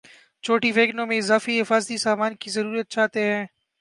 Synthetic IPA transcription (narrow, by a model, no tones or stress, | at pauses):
t͡ʃoːʈibeːɡnõːmẽɪzaːfiɦɪfaːzd̪isaːmaːnkizəɾuːɾjət̪̚t͡ʃʰaːt̪eɦɛ̃ː